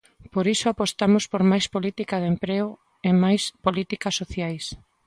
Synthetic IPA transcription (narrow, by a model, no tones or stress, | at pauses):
poɾisoapost̪amʊspoɾmajspolit̪ikaðempɾeo | emajspolit̪ikasːoθjajs